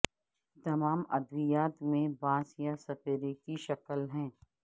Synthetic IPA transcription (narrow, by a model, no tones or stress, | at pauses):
t̪ɐmaːmɐd̪ʋɪjaːt̪mẽbãːsjasɐpeːɾekiʃɐkəlɦɛ̃ː